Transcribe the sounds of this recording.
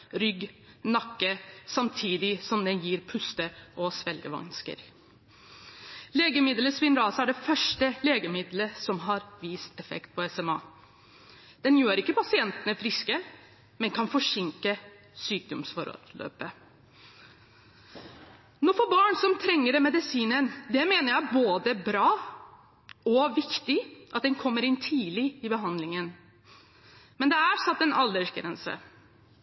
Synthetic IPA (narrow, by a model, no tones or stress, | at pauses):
ɾʏɡ | nɑkːəsɑmt̪ʰiːd̪ɪsɔmd̪ɛnjiːɾpʰʉst̪əʔɔsʋɛlɡəʋɑ̰nskə̰ɾ | leːɡəmɪd̪ləsʋɪnɾɑːsəæɖɛfœʂʈəleːɡəmɪd̪ləsɔmɦɑɾʋiːst̪ɛfɛ̰kt̪̚pʰɔɛsɛmɑː | d̪̥ɛnjøːɾɪkːəpɑsɪɛnt̪ənəfɾɪskə | mɛnkʰɑnfɔʂɪŋkə | syːk̚d̪ɔmsfɔɾ̰lø̰ːpə | nɔfɔːbɑːɳsɔmt̪ʰɾɛŋːəɖ̪ɛmɛd̪ɪsiːnənd̪ɛmeːnəɾjæɪboːd̪əbɾɑː | ɔʋɪkt̪ɪʔɑt̪̚d̪ɛnkʰɔmːəɾɪnt̪ʰiːlɪɪbəɦɑnd̪lɪŋən | mɛnd̪ɛæɾsɑt̪ːɛnɑld̪əʂɡɾɛ̰nsə̰